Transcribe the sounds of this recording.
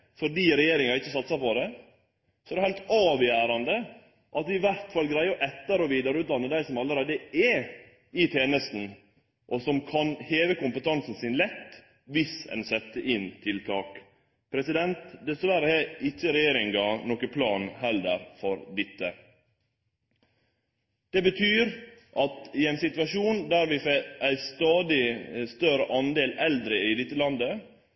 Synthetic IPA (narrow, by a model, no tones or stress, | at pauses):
fɔɖiːɾɛjeːɾɪŋɑɪçːəsɑt̪sɑpɔd̪ɛ | sɔɛæɾhæɪt̪ɑːʋjæːɾɑnd̪ə | ʔɑt̪̚d̪ɪɪʋæɾt̪fɑlɡɾæɪəɔʔɛt̪ːəɾɔʋiːd̪ɑɾʉːt̪lɑnːəd̪æɪsɔmɑlːəɾeːd̪əɛ | ɪt̪ʰeːnəst̪n̩ | ʔɔsɔmkʰɑnheːʋəkʊmpət̪ʰɑnsn̩sɪnlɛt̪ː | ʋɪsɛ̰nsɛt̪ːəʔɪnt̪ʰɪlt̪ʰɑːk | pʰɾɛsɪd̪ɛnt̪d̪ɛsʋæɾəɛɪt͡ʃːəɾɛjeːɾɪŋɡɑnɔkəpʰlɑːnhɛlːəɾfɔɾd̪ɪt̪ːə | d̪̥ɛbət̪ʰyːɾʔɑt̪ɪɛɪnsɪt̪ʉʋɑʂuːnd̪æɾʋɪfɛæɪst̪ɑːd̪ɪst̪œɾəʔɑnd̪eːlɛld̪ɾəɪd̪ɪt̪ːəlɑnd̪ə